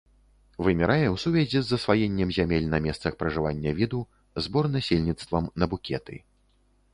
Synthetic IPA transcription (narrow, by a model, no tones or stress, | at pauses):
vɨmʲɛɾajɛwsuvʲɛzʲizːɐsvajɛnʲːɛmzʲamʲɛlʲnɐmʲɛst̪sɐxpɾɐʐɨvanʲːɐvʲid̪u | zbɔrnasʲelʲnʲit̪st̪vɐmnɐbukʲʰɛt̪ɨ̰